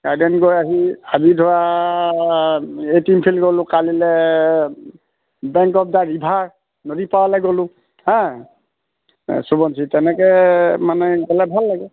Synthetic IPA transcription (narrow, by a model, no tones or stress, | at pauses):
ɡ̥aɹdɛnɡojaɦiazidʱʊwa | etimpʰilɡolʊ̃kalilɛ | bɛŋkɔp̚daɹibʱaɹ | nodipawalɛɡolʊ̃ | hɛ̃ | subɔnsʰitɛnɛkɛmanɛɡɛlabʱalːaɡɛ